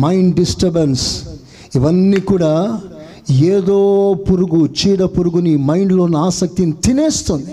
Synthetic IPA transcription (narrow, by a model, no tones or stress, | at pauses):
mɐjɳɖɖisʈɐɾbɐns | iʋɐnːiːkuːɽaː | eːd̪oːpuɾuɡut͡ʃiːɽɐpuɾuɡunimɐjɳɖlo̞ːniaːsɐk̚t̪init̪ineːst̪und̪i̥